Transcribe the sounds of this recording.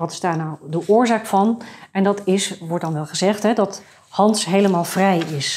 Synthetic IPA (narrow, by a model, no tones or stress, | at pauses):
ʋɑtɪ̥zdaːɹnawdəʔʊːɹzaːkfɑnɛndɑtɪsʋɔɹt̚dɑnʋɛlˠχəzɛχtɦɛdɑt | hɑnsɦejləmaːlˠvrɛjɪs